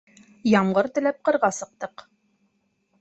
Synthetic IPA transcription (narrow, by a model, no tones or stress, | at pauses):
jɑmʁɤɾt̪ɘ̆læp̚qɤ̆ɾʁɑsɤ̆q̚t̪ɤq